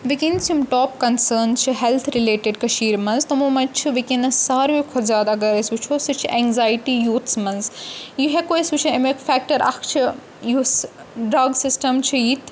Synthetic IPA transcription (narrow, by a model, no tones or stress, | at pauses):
ʋikinsjumʈɔːp̚kɐnsəːnt͡ʃʰɨɦɛlt̪ʰɾileːʈeɖkɐʃiːɾmɐ̃nzt̪omoːmɐt͡ʃʰɨʋikinɐssaːɾʋikʰɔzjaːd̪aɐɡɐɾɐsut͡ʃʰosɨt͡ʃʰʔɛ̃ŋɡzaːjiʈijuːt̪ʰsmɐ̃nzjuɦekoesut͡ʃʰɐemekfɛk̚ʈɐɾʔɐ̰kʰt͡ʃʰi | jus | ɖɾɐɡsɪsʈɐmt͡ʃʰɨjit̪ʰ